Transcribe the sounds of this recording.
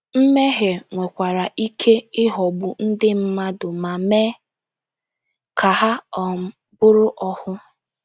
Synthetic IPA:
m̩˦me˦ɦe˨ŋʷe˨kʷa˨ɾa˨ʔi˦kʰe˦ɪ˦ɦɔ˨ɡ͡bʊ˨n̩˦dɪ˦m̩˦ma˦dʊ˨ma˨me˦ | kʰa˨ɦa˦ɔ˨˦ | bʊ˦ɾʊ˦ʔɔ˦hʊ˦

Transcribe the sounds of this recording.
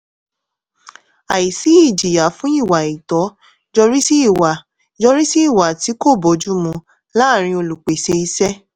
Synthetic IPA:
a˨ji˨si˨˦i˦˨d͡ʒi˨ja˨˦fũ˦i˦˨wa˨i˨tɔ˨˦ | d͡ʒɔ˧ɾi˦si˦i˦˨wa˨ | d͡ʒɔ˧ɾi˦si˦i˦˨wa˨ti˨˦ko˦˨bɔ˨˦d͡ʒu˦mũ˧ | la˦˨ɾ̃ĩ˧o˧lu˨k͡pe˨se˧i˧sɛ˦

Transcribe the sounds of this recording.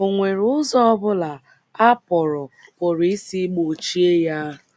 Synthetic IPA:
o˨ŋʷe˨ɾʊ˦ʊ˦zɔ˦ɔ˦bʊ˦la˨ | a˦pɔ˨ɾɔ˨pʊ˨ɾi˦si˦ɡ͡bo˨t͡ʃi˦e˦ja˦

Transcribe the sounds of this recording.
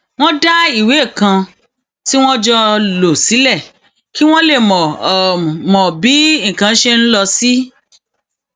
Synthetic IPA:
w̃ɔ̃˦da˦i˦˨we˨˦˨kã˧ | ti˦w̃ɔ̃˦d͡ʒɔ˧lo˨si˨˦lɛ˦˨ | ki˦w̃ɔ̃˦le˦˨mɔ̃˨ | mɔ̃˨bĩ˨˦˨kã˧˦ʃe˦n̩˦lɔ˧si˦

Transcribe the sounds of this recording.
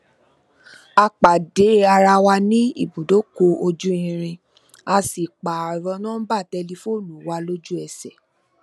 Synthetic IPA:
a˧k͡pa˨de˨˦a˧ɾa˧wa˧nĩ˦ḭ˦˨bũ˨do˨˦ko˧o˧d͡ʒu˦ĩ˧ɾ̃ĩ˧ | a˧si˨k͡pa˨ɔ˨ɾɔ˧˦nãː˦ba˦˨tɛ˧li˧fo˦˨nũ˨wa˧˦lo˦d͡ʒu˦ɛ˨sɛ˨

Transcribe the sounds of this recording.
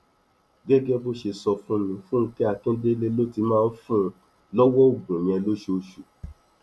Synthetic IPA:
ɡɛ˦ɡɛ˦bo˦ʃe˧sɔ˧fũ˦nĩ˧fũ˦n̩˧˦kɛ˦a˧kĩ˦de˦le˦lo˦ti˧mãː˦˧˦fũ˦ | lɔ˦wɔ˦o˦˨ɡ͡bũ˨ĩ˧ɛ˧lo˦ʃe˧˦o˧ʃu˨

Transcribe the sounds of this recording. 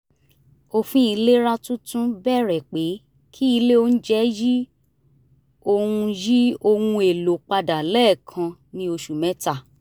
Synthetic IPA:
o˦fũ˦i˧le˦ɾa˦tũ˦tũ˦bɛ˦˨ɾɛ˨k͡pe˨˦ | kʰi˦i˧le˦o˦ñ̩˦d͡ʒɛ˦ji˦ | o˧hũ˧ji˦o˧hũ˧e˨lo˨˦k͡pa˧da˨lɛː˦˨kʰã˧nĩ˧o˧ʃu˨mɛ̃˨˦ta˦˨

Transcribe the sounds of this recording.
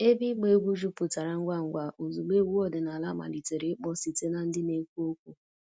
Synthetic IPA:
e˦bi˦k͡pe˦ɡʷu˦d͡ʒu˦pʊ˨ta˨ɾa˨ŋ̩˦ɡʷa˦ŋ̩˨ɡʷa˦ʔo˨zu˨ɡ͡be˦ɡʷu˦ɔ˦dɪ˨na˨la˦ma̰˨li˨te˨ɾe˨˦k͡pɔ˦si˨te˦na˦n̩˦dɪ˦ne˦kʷu˦o˦kʷu˦

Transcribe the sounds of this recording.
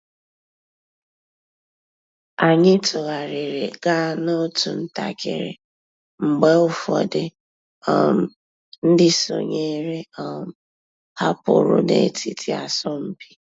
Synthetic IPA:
a˨ɲɪ˦tʊ˨ɣa˨ɾɪ˨ɾe˨ɡa˦no˦tu˨n̩˦ta̰˨kḛ˨ɾḛ˨ | ŋ͡m̩˨ɡ͡be˦ʊ˨fɔ˨dɪ˨ | ɔ˨m˨ | n̩˦dɪ˦so̰˨ɲe˦ɾe˦ɔ˨m̩˨ | ha˦pʊ̰˨ɾʊ̰˨nḛ˨˦tʰi˦tʰi˦a̰˨sɔ˦m̩˦pi̥˦

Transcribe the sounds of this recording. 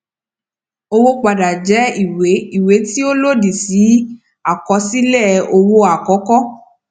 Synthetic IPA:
o˧wo˧k͡pa˨da˨d͡ʒɛ˨˦i˦˨we˨˦i˨we˨˦ti˦o˦lo˦di˨si˨˦ | a˨kɔ˨˧˦si˦lɛ˦˨o˧wo˧a˨kɔ˨˦kɔ˦

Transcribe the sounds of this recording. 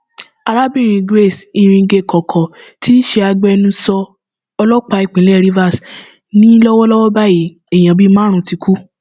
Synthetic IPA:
a˧ɾa˦bĩ˦˨ɾ̃ĩ˧ɡɾe˦˨si˧ɾ̃ĩ˧ɡe˧˨kʰɔ˨kʰɔ˨tʰi˦ʃe˧a˧ɡ͡bɛ˦˧nũ˧sɔ˧ | ɔ˧lɔ˦k͡pa˨˧˦i˦˨k͡pĩ˨˦ɛ˦˨ɾi˦va˦˨s | nĩ˦lɔ˦wɔ˦lɔ˦wɔ˦ba˦˨ji˨ | ɛ˨j̃ã˨bi˦mãː˦ɾ̃ũ˧˦ti˨˧kʰu˦

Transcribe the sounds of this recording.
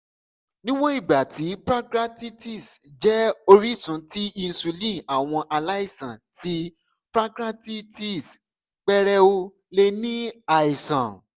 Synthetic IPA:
nĩ˦w̃ɔ̃˦i˦˨ɡ͡ba˨ti˨˦pɾa˦kɾa˦ti˦ti˦˨sd͡ʒɛ˦o˧ɾi˦sũ˨˦ti˦ĩ˧n̩˧su˧lĩ˦˨a˨w̃ɔ̃˧ʔa˧la˦i˦˨sã˨ti˨˦ | pɾa˦kɾa˦ti˦ti˦˨s | k͡pɛ˦ɾɛ˦o˦ | le˧nĩ˦a˨i˨sã˨

